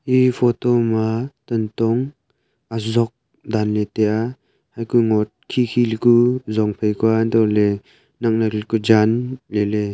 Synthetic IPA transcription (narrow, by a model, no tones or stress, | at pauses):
ʔipʰɔtɔmatɔntɔŋ | azɔk̚ | d̪anlet̪eʔa | hajkuŋɔt̚kʰikʰilkuzɔŋpʰejkuand̪ɔle | naŋnaɾilkud͡ʒanlele